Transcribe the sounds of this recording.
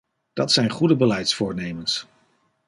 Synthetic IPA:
d̥ɑtsɛjnχudəbəlɛjtsfʊːɹnejməns

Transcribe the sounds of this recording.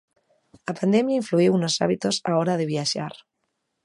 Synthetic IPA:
apand̪emjaiɱfluiwunosa̰βit̪osaoɾað̞eβ̞iaʃa̰ɾ

